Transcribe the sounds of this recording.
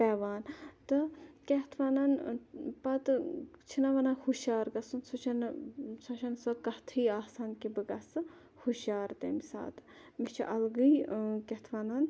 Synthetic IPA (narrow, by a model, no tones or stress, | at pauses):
pɛːʋaːnt̪ɨkʲeht̪ʰʋaːnɐnpɐt̪ɨt͡ʃʰinɐʋɐnɐhuʃaːɾɡɐsunsut͡ʃʰɐnsɐʃʰɐnsɐkɐht̪ʰiːaːhsaːnkibɨɡɐsɨ | huʃjaːɾt̪emisa̰ːt̪ | mit͡ʃʰḭʔɐlɡɨjkɛht̪ʰʋaːnɐn